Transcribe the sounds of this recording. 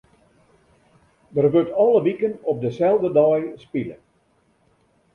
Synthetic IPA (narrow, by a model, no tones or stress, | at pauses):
dərʋøtɔlˠəʋikənɔp̚dəsɛlˠdədɔjspilə̰